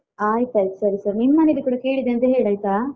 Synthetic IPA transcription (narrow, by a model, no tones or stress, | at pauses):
aːjt̪aːjt̪esɐɾisɐɾnimːɐnelikuːɽɐke̞ːɭid̪eɐnt̪ɐɦe̞ːɭaːjt̪aː